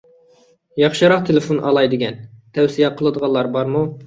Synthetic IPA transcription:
jɑχʃɨɾɑqt̪ʰelefonʔɑ̰lˠɑjd̪ɪɡʲɛnt̪ʰɛwsijɛqʰəlˠəd̪əʁɑlˠɑɾbɑɾmu

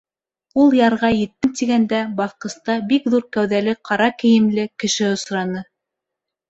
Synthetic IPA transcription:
ulˠjɑɾʁɑjɘ̆t̪ːɘmt̪iɡænd̪æbɑθqɤ̆st̪ɑbikðuɾkæwðælɘqɑɾɑkɘ̆jɘ̆mlɘkɘ̆ʃɘŏsɾɑnɤ

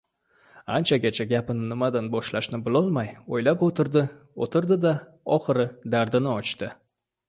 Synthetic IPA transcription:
ant͡ʃʰaɡʲat͡ʃʰaɡʲapɪnɪnɪmad̪anbɒʃlaʃnɪbɪlˠɒlˠmajojlapot̪ʰɪɾd̪ɪ | o̰t̪ʰɪɾd̪ɪd̪a | ɒχɨɾɪd̪aɾd̪ɪnɪɒt͡ʃt̪ɪ

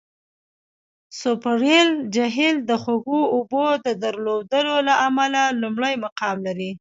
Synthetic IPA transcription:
sopaɾeld͡ʒaɦɪld̪əxoɡuobod̪əd̪əɾlod̪əlolaamalalumɽəjmaqɑmlaɾi

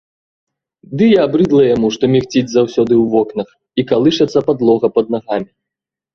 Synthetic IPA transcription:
d̪ɨjaabɾɨd̪lˠɐjamuʂt̪ɔmʲixt͡sʲid͡zʲzawsʲɔd̪ɨwvɔknɐx | ikalˠɨʂɐt̪sːɐpad̪lˠɔɣɐpɐd̪naɣamʲi

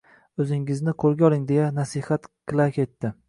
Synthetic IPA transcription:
ɵzɪŋɪznɪqʰolˠɡʲaɒlˠɪŋd̪e̞janasɪhat̪kʰɨlˠakʲʰe̞t̪ːɪ

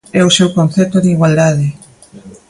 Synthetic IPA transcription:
ɛosewkon̟θɛt̪oðiɣwald̪aðɪ

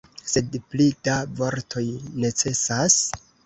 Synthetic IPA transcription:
se̞dplidavo̞ɾtʰo̞jne̞t͡se̞sas

